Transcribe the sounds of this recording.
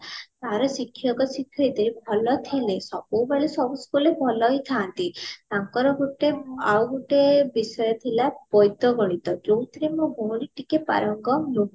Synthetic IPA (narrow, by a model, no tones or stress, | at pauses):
t̪aɾɔsikʰːjɔkɔsikʰːjɔjd̪ɔɾibʱɔlɔt̪ʰilesɔbɔwbaɭisɔbuskulebʱɔlɔit̪ʰant̪iaŋkɔɾɔɡuʈeawɡuʈebisɔjɔt̪ʰilab̥ɔjt̪ɔɡɔɭ̃it̪ɔd͡ʒowt̪ɾimubʱoɽiʈikepa̰ɾɔŋɡɔnuɦ